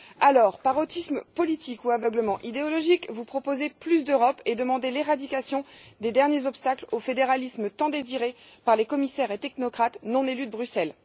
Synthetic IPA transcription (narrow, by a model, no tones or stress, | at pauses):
alɔːʁpaʁot̪isməpɔlit̪ikuavœɡləmɑ̃ʔid̪eɔlɔʒikvupχɔpozeplys̬d̪øʁɔped̪əmɑ̃d̪eleʁad̪ikasjɔ̃d̪ed̪ɛʁnjezɔpst̪aklofed̪eʁalismət̪ɑ̃d̪eziʁepaʁlekɔmisɛʁet̪ɛknɔkχat̪nɔ̃nelyd̪əbʁysɛl